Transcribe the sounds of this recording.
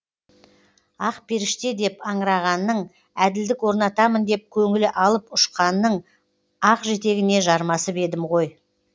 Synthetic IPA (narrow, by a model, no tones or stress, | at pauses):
ɑqpʰe̞ɾɪʃt̪e̞d̪e̞pɑɴɾɑʁɑnːəɴ | æd̪ɪld̪ɪkwo̞ɾnɑt̪ɑmənd̪e̞p̚kʲʰɵŋɪlɪʔɑlˠəpʊʃqɑnːəɴ | ɑqʒe̞t̪e̞ɡʲɪne̞ʒɑɾmɑsəpe̞d̪ɪmʁo̞j